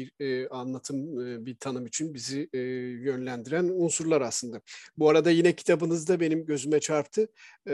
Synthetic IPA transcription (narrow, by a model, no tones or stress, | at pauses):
iɾanlˠat̪ʰɯmbiɾt̪ʰanɯmit͡ʃʰynbizijø̞nlʲænd̪iɾænunsuɾlˠaɾaslˠɯnd̪abuaɾad̪ajinɛcʰi̥t̪ʰabɯnɯzd̪abe̞nimɟø̞zymɛt͡ʃʰaɾpt̪ʰɯ